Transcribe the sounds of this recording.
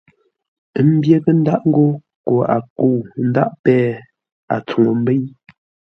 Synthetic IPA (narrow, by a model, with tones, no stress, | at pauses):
m̩˦bje˦kə˦n̩˦da˦ʔŋ̩˦ɡo˦ | ko˨a̰˨ko˦˨n̩˦da˦ʔpɛː˦ | a̰˨t͡su˨ŋo˨m̩˦be˦j